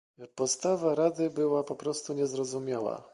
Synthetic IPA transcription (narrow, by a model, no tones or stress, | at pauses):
pɔt̪st̪avaɾad̪ɘbɘwapɔpɾɔst̪uɲɛzɾɔzumʲjawa̰